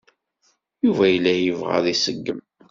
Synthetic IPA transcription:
juvæjəlːæjəvʁa̰ðisəɡːəm

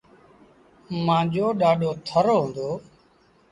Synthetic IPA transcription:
mãːd͡ʒoːɗaːɗoːt̪ʰəɾoːɦõːnd̪oː

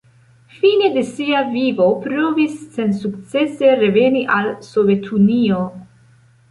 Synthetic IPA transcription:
fine̞d̪e̞siavivo̞pɾovisːe̞nsukt͡se̞se̞ɾe̞ve̞niʔalso̞ve̞t̪ʰunio̞

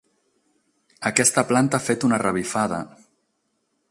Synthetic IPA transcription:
əkɛst̪əplant̪əafet̪unərəβ̞ifaðə̰

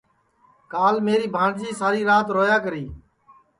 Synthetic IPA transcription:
kaːlmeːɾiːbʱãːɳd͡ʒiːsaːɾiːɾaːt̪ɾoːjaːkəɾiː

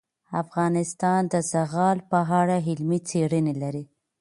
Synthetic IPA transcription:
afɣɑnɪst̪ɑnd̪əzaɣɑlpəɦaɽaɦɪlmit͡seɽənelaɾi

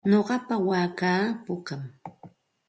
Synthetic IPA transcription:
ɲoɢɑpawaːkaːpʊkam

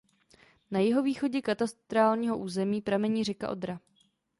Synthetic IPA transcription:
najɪɦo̞viːxo̞ɟɛkat̪ast̪ɾaːlɲiːɦo̞ʔuːzɛmiːpɾamɛɲiːrɛka̰ʔo̞̰d̪ɾa

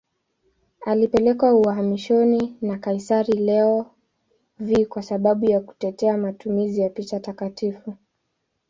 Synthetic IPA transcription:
alipɛlɛkwauaɦamiʃɔninakaisaɾilɛɔ | vikwasaɓaɓujaku̥tɛtɛamatumizijapit͡ʃatakatifu

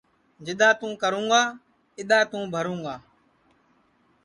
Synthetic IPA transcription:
d͡ʒɪɗ̪aːt̪ũːkəɾũːɡaː | ɪɗ̪aːt̪ũːbʱəɾũːɡaː

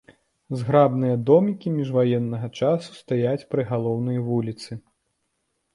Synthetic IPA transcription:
zɣɾabnɨjɐd̪ɔmʲikʲimʲiʐvajɛnːɐɣɐt͡ʂasu̥st̪ajat͡sʲpɾɨɣalˠɔwn̪ɐjvulʲit̪sɨ

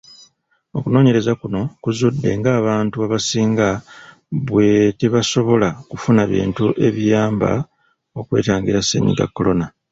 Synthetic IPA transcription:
o̞kuno̞ːɲe̞ɾe̞zakuno̞kuzudːe̞̰ŋɡaːβaːntuaβasiːŋɡa | βwe̞teβaso̞βo̞lakufunaβḭːntuʔe̞βijaːmba̰ | o̞kwe̞̰ːtaːŋɡiɾasːḛɲḭɡa̰kːo̞lo̞na

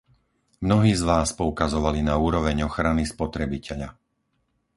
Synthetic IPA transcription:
mnɔɦiːzʋaːspɔukazɔʋalinauːɾɔʋɛɲɔxɾanispɔt̪ɾɛbicʰɛʎa

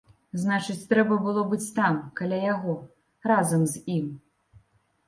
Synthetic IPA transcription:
znat͡ʂɨt͡sʲt̪ɾɛbɐbɨlˠɔbɨt͡sʲt̪amkalʲajaɣɔ | razɐmzʲim

